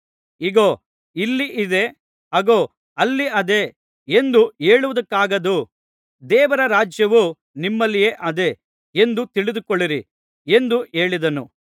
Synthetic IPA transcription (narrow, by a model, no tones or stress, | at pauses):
iɡoː | ilːiʔid̪e̞ | ɐɡoː | ɐlːiɐd̪e̞ | end̪ue̞ːɭuʋɐd̪ɐkːaːɡɐd̪u | d̪ɛːʋɐɾɐɾaːd͡ʒjɐʋu | nimːɐlːijeːʔɐd̪e̞ | end̪ut̪iɭid̪ukoɭːiɾi | e̞nd̪ue̞ːɭid̪ɐnṵ